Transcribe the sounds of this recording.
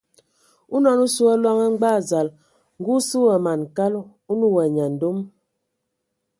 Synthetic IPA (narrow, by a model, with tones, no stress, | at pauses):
u˦nɔ˦˨nu˦su˦ɛ˦lwa˦ŋɛ˦ŋ͡m̩˦ɡ͡ba˦˨za˨l | ŋ̩˦ɡu˦su˦wɛ˨ma˨n˨ka˦lu˦ | u˦nu˦wɛ˨ɲa˨n̩˨do˦m